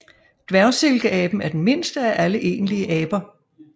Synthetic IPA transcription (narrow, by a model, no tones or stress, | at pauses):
d̥ʋæɐse̝lɡ̥əʔɛb̥n̩æɐd̥enme̝n̰sd̥əæʔæləʔe̝̰ːnliəʔɛːb̥ɐ